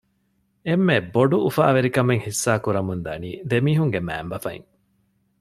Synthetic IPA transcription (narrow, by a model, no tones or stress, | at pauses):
emːeboɖuufa̰ːʋeɾikɐmeŋhisːaːkuɾɐmund̪ɐnḭːd̪emiːɦuŋɡemæ̰ːmbɐfɐ̰ḭŋ